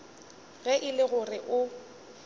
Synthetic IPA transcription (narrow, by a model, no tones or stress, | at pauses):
ɣɛʔɪlɪɣʊrɪʔʊ